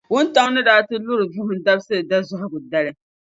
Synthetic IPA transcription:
wʊ˦nta˦ŋnɨ˦daː˦tɨ˦lʊ˦ɾɨ˨vʊ˦hʊ˦n˦da˦bsɨ˦ɨ˨da˦zʊ˦hʊ˦bʊ˨da˦lɨ˦

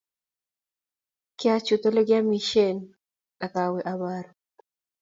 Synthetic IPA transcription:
kɪ˦a˦t͡ʃu˨t̪o˦le˦ɡja˦mi˦ʃe˦n | a˨ka˨we˨ʔa˨ba˦ɾ

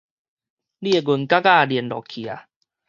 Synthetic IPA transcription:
li˦˨e˧˨ɡu˧˩nka˦ka˥˧˨di˨ə˨ndɔ̰˨˩kʰːi˨a˨

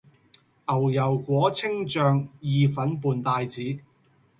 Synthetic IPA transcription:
ʔɐ˨˩wjɐ˨˩wkʷɔː˨˥t͡sʰɪ˥ŋt͡ʃœː˨˧ŋjiː˧fɐ˨˥npuː˨nt̪aː˨˧jt͡siː˨˥

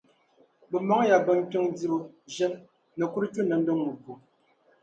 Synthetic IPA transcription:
bə˨mɔ˨˦ŋ˦ja˨bə˨ŋ̩˦tə˦ŋdi˦o˨ʒɛ˦n | nə˨ku˦ɾt͡ʃu˦nə˨n̩˦do˦ŋmu˨pu˨

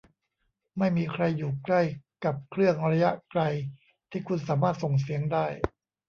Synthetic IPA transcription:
ma˥˩jmiː˧kʰɾa˧jːuː˨˩kla˥˩jka˨˩p̚kʰɾɯ˥˩əŋɾa˧ja˦˥ʔkla˧j | t̪ʰiː˥˩kʰu˧nsaː˩˦maː˥˩t̪̚so˨˩ŋs̬i˩˦əŋdaː˥˩j

